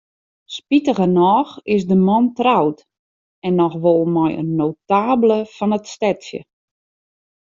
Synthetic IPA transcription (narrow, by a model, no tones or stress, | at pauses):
spitəɣənɔːxɪsdəmɔntrawt | ɛnːɔxʋolˠmɔjə̰nːowtaːbləfɔnətstɛtsjə̰